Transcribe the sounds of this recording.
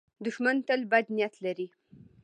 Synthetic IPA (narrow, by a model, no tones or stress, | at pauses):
d̪ʊʃmant̪əlbad̪nijat̪laɾi